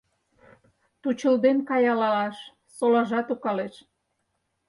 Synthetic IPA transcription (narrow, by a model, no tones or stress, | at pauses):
t̪ut͡ɕə̆ld̪enkɑjɑlɑlɑʃ | solɑʒɑt̪ukɑleʃ